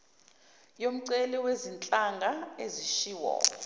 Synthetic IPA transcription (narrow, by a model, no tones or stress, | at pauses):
jom̩ǀɛliwezint͡ɬʼaŋɡʱaeziʃiːwɔ̰ː